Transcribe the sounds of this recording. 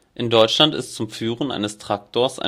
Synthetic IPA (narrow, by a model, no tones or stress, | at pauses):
ʔɪndɔʏt͡ʃlantɪ̰stt͡sʊmfyːʁənʔa̰ɪnəstʁ̥ak̚tʰoːɐsʔa̰